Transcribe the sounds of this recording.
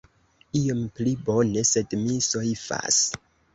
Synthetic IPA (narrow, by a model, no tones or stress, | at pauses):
io̞mplibo̞ne̞se̞dmisoifa̰s